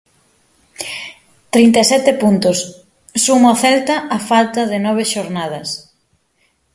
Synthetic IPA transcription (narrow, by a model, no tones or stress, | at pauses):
t̪ɾint̪esɛt̪epunt̪ʊsː | umaθɛlt̪ɐʔːfalt̪ɐðɪnɔβ̞eʃoɾnað̞ɐs